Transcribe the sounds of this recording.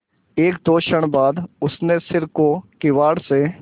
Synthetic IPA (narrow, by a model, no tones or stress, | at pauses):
eːkd̪oːʃəɽ̃baːd̪ʊsnesɪɾkokɪʋaːɽse